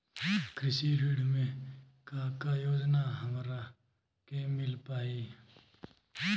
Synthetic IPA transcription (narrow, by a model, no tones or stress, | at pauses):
kʰɾɪsiɾiɽmẽ | kakajoːd͡ʒnaɦəmɾa | kemɪlpaːi